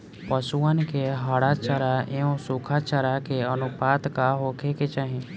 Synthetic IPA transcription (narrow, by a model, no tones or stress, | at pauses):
pəsuənkeɦaɽat͡ʃəɾaeõsukʰat͡ʃəɾakeənupaːt̪kaɦoːkʰeket͡ʃaɦẽ